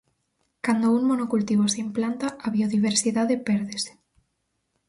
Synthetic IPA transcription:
kand̪ouŋmonokult̪iβ̞oseimplant̪aaβioðiβ̞eɾsiðaðepɛɾðese̥

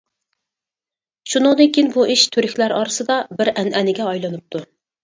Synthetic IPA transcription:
ʃunɨŋd̪ɨkʲinbuʔiʃt̪ʰyɾykʲlæɾɑːɾɨsɨd̪ɑbɪɾɛnʔɛnɪɡʲɛɑjlˠɨnɨp̚t̪ʰu

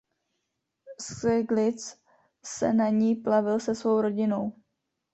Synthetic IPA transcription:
sɛɡlɪt͡s | sɛ̰naɲiːplavɪlsɛsvo̞wɾo̞ɟɪno̞w

